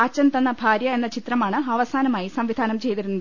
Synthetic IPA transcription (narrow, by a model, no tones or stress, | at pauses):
ɐt͡ɕːɐnt̪ɐnːɐbʱaːɾjɐe̞nːɐt͡ɕit̪rɐmaːɳɨɐʋɐsaːnɐmaːjisɐmʋid̪ʱaːnɐmt͡ɕe̞jt̪iɾunːɐð